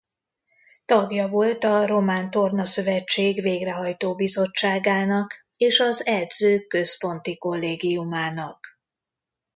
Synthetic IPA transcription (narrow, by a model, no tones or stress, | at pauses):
t̪ɒɡjɒvo̞lt̪ɒro̞maːnt̪o̞rnɒsø̞vɛt͡ʃːeːɡveːɡrɛɦɒjt̪oːbizo̞t͡ʃːaːɡaːnɒk | eːʃɒzɛd̪zøːkːø̞spo̞n̪t̪iko̞lːeːɡijumaːnɒk